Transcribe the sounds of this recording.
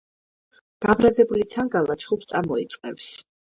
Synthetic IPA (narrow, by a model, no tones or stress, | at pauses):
ɡ̪̥abɾazɛbulit̪sʰaŋɡalat͡ʃʰχupst̪sʼamɔit̪sʼqʼɛfs